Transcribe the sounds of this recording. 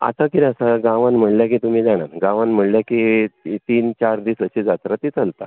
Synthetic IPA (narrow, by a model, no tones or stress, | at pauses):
a̰t̪akiɾasaɡãʋãnm̤əɳljak̬it̪um̤iːd͡zaɽ̃anɡãʋanm̤əɳljakit̪iːnt͡ɕaɾd̪iːsəɕid͡zat̪ɾat̪iːt͡səlt̪a